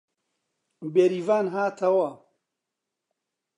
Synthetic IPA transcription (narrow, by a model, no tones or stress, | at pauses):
beɾivaːnɦaːt̪ʰɐwɐ